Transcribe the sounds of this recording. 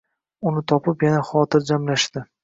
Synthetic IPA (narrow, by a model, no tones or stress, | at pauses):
ʊnɪt̪ʰɒpɪpjanaχɒt̪ʰɪɾd͡ʒamlaʃd̪̥ɪ